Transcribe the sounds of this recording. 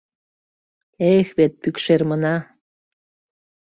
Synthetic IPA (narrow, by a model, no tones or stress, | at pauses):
exβet̪̚pykʃermənɑ